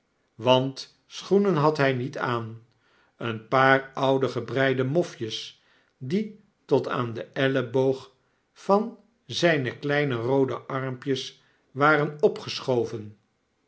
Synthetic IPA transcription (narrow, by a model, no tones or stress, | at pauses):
ʋɑnt | sχunənɦɑtɦɛjnitaːn | ənpaːrʌwdəχəbrɛjdəmɔfjəs | di | tɔta̰ːndəʔɛləbowχ | fɑn | zɛjnəklɛjnərowdəʔɑɹmpjəs | ʋaːrənɔpχəsχowvən